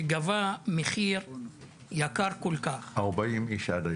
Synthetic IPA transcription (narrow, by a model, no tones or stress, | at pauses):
ɡavameχiʁ | jakaʁkolkaχaʁbaimiʃad̪a